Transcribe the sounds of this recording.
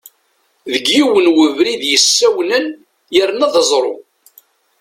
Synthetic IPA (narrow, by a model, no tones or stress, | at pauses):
ðəɡjiwənwəvɾiðjəsːæwnən | jəɾnɑðzˤɾˤo̰